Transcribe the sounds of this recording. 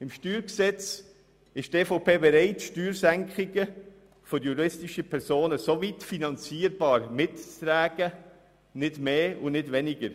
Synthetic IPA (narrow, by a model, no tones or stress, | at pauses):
ɪmʃtyːɾksɛt͡s | ɪʃteːfoʊpʰeːbɛɾɛɪtʃtyːɾsæŋkχɪɡə | fɔɾjuɾɪstɪʃəpʰɛɾsoːnəsovitfinɑnt͡siːəɾbɑːɾmɪttɾæːɡ̥ə | nɪdmeːʊnɪdvɛnɪɡəɾ